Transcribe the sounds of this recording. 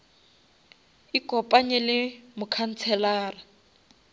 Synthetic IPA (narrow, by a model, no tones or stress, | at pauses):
ikʼɔpʼaɲɛlɪmʊkʰan̩t͡sʰɛlaːra